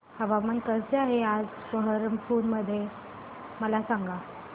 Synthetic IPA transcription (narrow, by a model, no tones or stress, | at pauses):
həʋamənkəɾseaɦead͡z | kəɦəɾəmfoːnməd̪ʱːje | məlasãŋɡa